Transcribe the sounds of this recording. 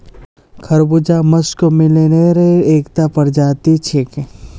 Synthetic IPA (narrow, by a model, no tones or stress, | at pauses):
kʰɐɾbʊd͡ʒamɐskomɪleneɾeeːkt̪apɐɾd͡ʒaːt̪it͡ʃʰeke